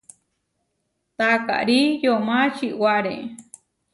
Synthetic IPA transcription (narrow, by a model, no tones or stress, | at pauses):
t̪aka̰ʔɾijomat͡ʃiʔwaɾẽʔ